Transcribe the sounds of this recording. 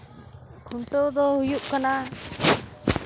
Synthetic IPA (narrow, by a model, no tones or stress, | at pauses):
kʰunt̪ɔd̪ɔhujuʔkana